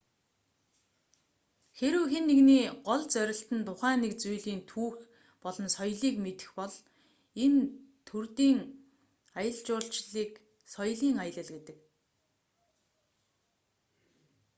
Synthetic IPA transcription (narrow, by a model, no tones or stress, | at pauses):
xeɾɘ̆wxenːeɣniːɢɔɮt͡sœɾʲɪ̆ɬt̪ɘ̆nt̪ʰʊχæːniːkt͡sujɮiːnt̪ʰuːx | pɔɮɞ̆nsɔjɮiːkmet̪ɘ̥̆xpɔɮ | ent̪ʰurt̪iːŋ | ajə̆ɮt͡ɕʊːɬt͡ɕɮiːk | sɔjɮiːŋajə̆ɮə̆ɮɡet̪ɘ̆k